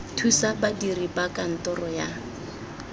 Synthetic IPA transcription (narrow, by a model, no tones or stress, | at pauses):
tʰusabadiribakan̩tɔrɔja